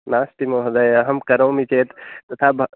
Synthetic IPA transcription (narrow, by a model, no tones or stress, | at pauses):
naːst̪imoɦɐd̪ajɐɦɐmkɐɾoːmit͡ʃeːt̪t̪ɐt̪ʰabʱ